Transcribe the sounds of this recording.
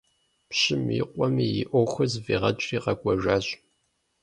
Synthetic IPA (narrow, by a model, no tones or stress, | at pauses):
pɕɪmḭːqʷʼɔmiːjḭʔʷoxʷɐzviːʁɐt͡ʃʼriːqɐɡʷʼɐʒʷaːɕʼ